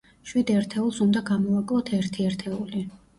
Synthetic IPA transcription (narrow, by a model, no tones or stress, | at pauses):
ʃwid̪ɛɾt̪ʰɛulˠsund̪aɡamɔakʼlˠɔt̪ʰɛɾt̪ʰiɛɾt̪ʰɛuli